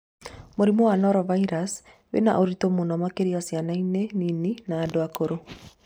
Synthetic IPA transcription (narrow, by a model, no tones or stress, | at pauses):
moɾimowanɔɾɔvaiɾas | wḛna̰ʔoɾitomonɔmakeɾiasjanainenininaːdoakoɾo